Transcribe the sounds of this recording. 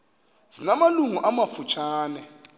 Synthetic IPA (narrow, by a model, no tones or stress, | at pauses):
z̥inamaluŋuʔamafut͡ʃʰaːnɛ